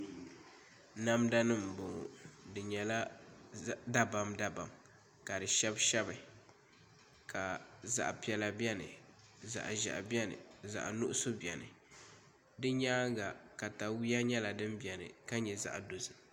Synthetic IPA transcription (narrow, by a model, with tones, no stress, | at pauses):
na˦mda˦nɨ˦˨m˨bo˨dɨ˨ɲɛ˨la˦ | da˦ba˨mda˦ba˨m | ka˨dɨ˨ʃɛ˦bʃɛ˦bɨ˨ | ka˨za̰˦˨ʔpi˨˦ɛ˨la˨bɛ˦nɨ̰˨ | za̰˨ʔʒa̰˨ʔbjɛ˦nɨ̰˨za̰˨ʔnʊ˦ʔʊ˦so˦bi˨ɛ˨nɨ̰˨ | dɨ˦ɲaː˦ŋ˦ɡa˨ka˨ta˨wi˦a˦ɲɛ˦la˨dɨ˦mbi˨ɛ˨nɨ̰˨ka˦ɲɛ˨za̰˨ʔdo˨zɨ˨